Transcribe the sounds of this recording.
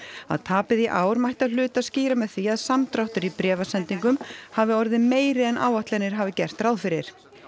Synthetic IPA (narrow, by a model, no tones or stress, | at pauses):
a̰ðt̪ʰaːpɪðiʔaːwɾmajht̪aðlʏːt̪aðsciːɾamɛðθiaðsamt̪ɾawht̪ʏɾipɾɛːvasɛnt̪iŋkʏmhavɪɔɾðɪmeːjɾɪðɛnʔa̰ːwaht̪lɛɾnɪɾ̥ɦavɪcɛr̥t̪ɾawðfɪɾɪɾ̥